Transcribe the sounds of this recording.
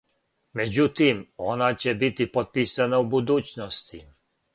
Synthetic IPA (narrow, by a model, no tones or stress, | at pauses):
me̞d͡ʑut̪imo̞nat͡ɕebit̪ipot̪̚piːsanaubud̪uːt͡ɕnost̪i